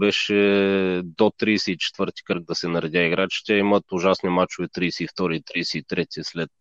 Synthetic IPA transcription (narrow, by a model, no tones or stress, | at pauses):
ɾɛʃɛ | d̪ot̪ɾiːsɛit͡ʃɛ̥t̪vɤɾt̪i̥kɾɡ̚d̪ɐsɛnɐɾɛd̪ʲaiɡɾat͡ʃi̥t̪ɛimət̪ʊʒasnmat͡ʃʊvɛt̪ɾiːsɛift̪ɔɾiːt̪ɾiːsɛit̪ɾɛt̪ʲɛslɛt̪